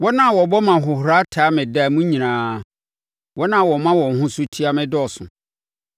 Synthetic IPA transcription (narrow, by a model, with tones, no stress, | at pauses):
wɔ˦nã˦˨wɔ˨bɔ˦mã˨ɦʊ˨hɾa˦tʰaː˨˦mɪ̃˨da˦˨mũ˦ɲĩ˨nãː˨ | wɔ˦nã˦˨wɔ˨mã˦wɔ̃˨hʊ̃˦sʊ˦tʰi˦a˦mɪ̃˦dɪ˦ɔ˨sʊ̰̃˨